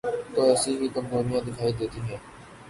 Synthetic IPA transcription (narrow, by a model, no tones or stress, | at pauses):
t̪oːɛːsiːkiːkəmzoːnɪjãːd̪ɪkʰaːid̪eːt̪iːɦɛ̃ː